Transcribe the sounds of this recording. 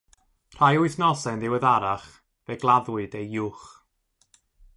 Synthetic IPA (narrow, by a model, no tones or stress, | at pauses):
r̥ajʊɨθnɔsanðɪwɪðaɾaχ | veɡlˠaðwɨdejjuːχ